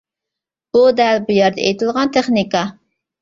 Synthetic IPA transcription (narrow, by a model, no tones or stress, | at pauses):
b̥ud̪ɛlbujæɾd̪ɛ̰ʔḛjt̪ʰɪlˠʁɑnt̪ʰeχnikɑ